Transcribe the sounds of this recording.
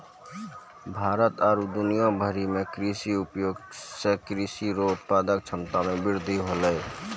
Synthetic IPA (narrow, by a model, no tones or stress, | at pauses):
bʱaːɾət̪aɾud̪ʊnijabʱəɾimẽkɾisiupjoːɡsekɾisiɾot̪paːd̪ək̚t͡ʃʰəmt̪amẽbɪɾd̪ʱiɦoləj